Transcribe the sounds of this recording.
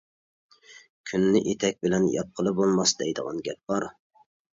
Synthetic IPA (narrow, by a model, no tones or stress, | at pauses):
kʲʰynːɪʔet̪ʰɛk̚ʲbɪlɛnjɑ̰p̚qʰəlˠɨbolˠmɑsd̪ɛjd̪əʁɑ̰nɡʲɛp̚b̥ɑɾ